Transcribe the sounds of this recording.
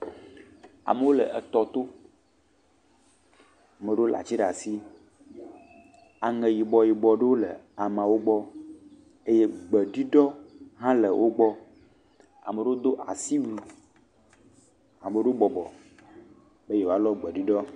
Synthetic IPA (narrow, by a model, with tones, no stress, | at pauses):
a̰˨mə˨wo˦lə̰˨ʔə˨t̪ɔ˨t̪o˦˨ | me˨ɖwo˦lʔa̰˨t͡ɕi˦ɖa˨si˦ | a˨ŋɛ˨ji˨bɔ˨ji˨bɔ˨ɖe˦wo˦lə̰˨a˨mã˨wo˦ɡ͡bɔ˦ | e˦je˦ɡ͡bɛ˨ɖi˦ɖɔ˦ɦã˦lə˨wʔo˦ɡ͡bɔ˦ | a̰˨me˨ɖe˦o˦d̪o˦ʔa˨si˦wu˨ | a˨me˨ɖe˦o˦bɔ˨bɔ˨ | be˦je˨wo˨˦a˦lɔ˦ɡ͡bɛ˨ɖi˦ɖɔ˦